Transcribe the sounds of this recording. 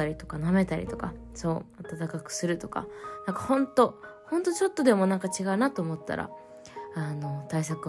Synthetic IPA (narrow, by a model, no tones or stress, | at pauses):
aɾʲit̪o̞̥kaname̞t̪aɾʲḭt̪o̞kaso̞ːat̪at̪akakɯ̟̥sɨɾɯ̟t̪o̞ka̰nãŋkḁhõ̞nt̪o̞ | hõ̞nt̪o̞t͡ɕo̞t̪ːo̞d̪e̞mo̞nãŋkat͡ɕiɡaɯ̟nat̪oːmo̞t̪ːa̰ɾʔa̰ | ano̞t̪ais̬akɯ